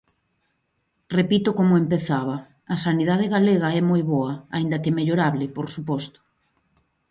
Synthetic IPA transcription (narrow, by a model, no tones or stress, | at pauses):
repit̪ʊkomʊempeθaβɐ | ɐsaniðaðeɣaleɣɐɛmojβɔɐaind̪ɐkemeʎoɾaβlɪpoɾsupɔst̪ʊ̥